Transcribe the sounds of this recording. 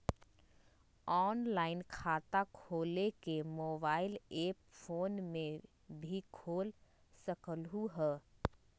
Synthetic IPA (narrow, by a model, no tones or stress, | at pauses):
ɔːnlaːɪnkʰaːt̪akʰoːlekemoːbaːɪleːpfoːnmẽ | bʱikʰoːl | səkəlɦuɦɛː